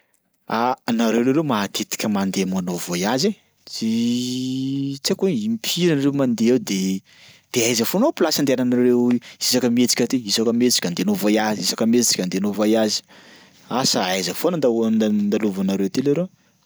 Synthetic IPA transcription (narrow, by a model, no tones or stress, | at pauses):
anaɾewleɾemat̪ʰet̪i̥kʲəmand̪emanovojaze | t͡si | t͡sakuimipʰiɾanrewmand̪eewd̪e | d̪̥eajzəfonopilasand̪eananaɾewisakəmet͡si̥kʲət̪eisakəmet͡si̥kʲand̪eanovajazisakəmet͡st͡si̥kʲand̪eanovajazi̥ | asaajzəfonad̪nnd̪aluvanaɾewt̪elaɾe